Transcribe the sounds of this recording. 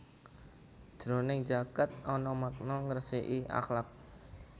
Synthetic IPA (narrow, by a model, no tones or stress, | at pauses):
d̥ɾonɪŋd͡ʒaɡat̪̚ʔɔnɔmak̚nɔŋərseʔiʔa̰xlak̚